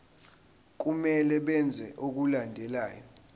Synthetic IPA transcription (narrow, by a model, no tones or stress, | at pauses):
k̬ʼumɛlɛɓɛnd͡zʱɛʔok̬ulandʱɛlaːjɔ